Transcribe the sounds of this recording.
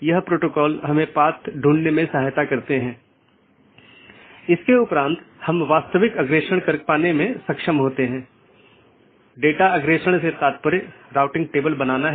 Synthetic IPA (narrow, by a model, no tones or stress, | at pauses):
jɐɦpɾoːʈoːkɔːlɦɐmẽpaːt̪ɖʱũːɳnemẽsɐɦajt̪akɐɾt̪eɦɛ̃ː | ɪskeʊpɾãːnt̪hɐmʋaːst̪əʋɪkɐɡɾeːʃəɽ̃kɐɾk̚paːnemẽsɐkʃəmɦoːt̪eɦɛ̃ː | ɖeːʈaɐɡɾeːʃəɽ̃set̪aːt̪̚pəɾeɾaːʊʈɪ̃ŋɡ̚ʈeːbəlbɐnaːnaɦ